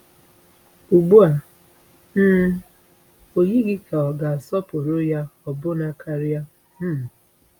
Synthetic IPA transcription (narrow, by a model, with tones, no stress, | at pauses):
u˨ɡ͡bu˦a˨ | n̩ː˦ | o˨ɲi˦ɡɪ˦ka˨ɔ˨ɡa˨a˨sɔ˦po˨ɾo˦ja˦ɔ˨bʊ˦na˨kʰa˨ɾɪ˦a˦ | m̩˦˨